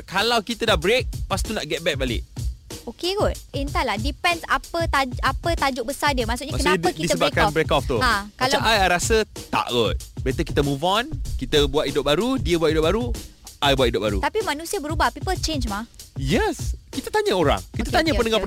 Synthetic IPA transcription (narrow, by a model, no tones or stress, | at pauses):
kalawkit̪ədahbɾek̚past̪unaʔɡɛt̪̚bɛk̚balɪ̰ʔokeɡɔt̪̚int̪alahdipɛnsapət̪aapət̪ad͡ʒʊʔ̚bəsadiəmaʔsutɲəmakəsnaɲəkidisəbakanbɾekɔft̪uakalt͡ʃaʔajaɾasət̪a̰ʔɡɔt̪̚bəat̪əkit̪əmũvɔnkit̪əbuat̪idʊp̚baɾudiəbuat̪̚idʊp̚baɾuʔajbuat̪idʊʔ̚baɾṵt̪apimanũsiəbəɾubahpipəlt͡ʃend͡ʒmahjɛskit̪ət̪aɲəoɾa̰ŋkit̪ət̪aɲəpəndəŋap